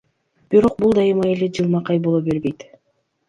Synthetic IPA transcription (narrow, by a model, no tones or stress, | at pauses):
b̥iɾo̞q̚bulˠd̪ɑjɯmɑeled͡ʒɯlˠmɑqɑjbo̞lˠobe̞ɾbe̞jt̪